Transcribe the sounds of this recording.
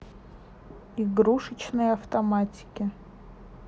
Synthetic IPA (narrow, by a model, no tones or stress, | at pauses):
iɡɾuʂɨt͡ɕnɨjɐft̪ɐmatʲɪ̥kʲɪ